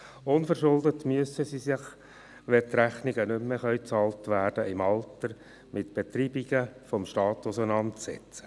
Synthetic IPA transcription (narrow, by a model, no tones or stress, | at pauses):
ʊnfəɾʃʊldətmyəsəsisɪχ | ʋɛt̪ɾæχniɡənʏmːeχœʏt͡sɑːltʋæːrd̥əɪmɑltəɾ | mʔɪtb̥etɾiːbiɡəfɔmʃtɑːt̪ʊsənɑntsɛ̰t͡sə̥